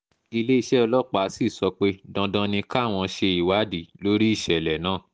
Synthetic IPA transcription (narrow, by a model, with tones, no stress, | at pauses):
i˧le˦i˧ʃɛ˦ɔ˧lɔ˦k͡pa˨˦si˦˨sɔ˧k͡pe˦dã˧dã˧nĩ˧ka˦˨w̃ɔ̃˧ʃe˧i˨wa˨˦di˨lo˦ɾi˦i˦˨ʃɛ˨lɛ˨nãː˦˨